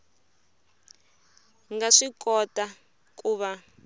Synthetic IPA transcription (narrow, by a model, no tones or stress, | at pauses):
ŋɡaʂikʼɔta | kʼuːβa